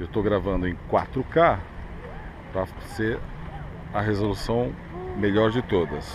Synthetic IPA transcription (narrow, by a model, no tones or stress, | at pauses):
ewt̪owɡɾavɐ̃nd̪ʊẽj̃kwa̰t̪ɾʊka | pɾɐ | seɾ | ɐɦezolusɐ̃w̃ | meʎɔɾd͡ʒɪt̪od̪ɐs